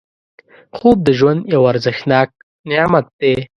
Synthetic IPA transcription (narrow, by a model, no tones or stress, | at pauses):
xob̚d̪əʒwand̪jawaɾzɪxnɑːk̚ | nɪɑmat̪̚d̪e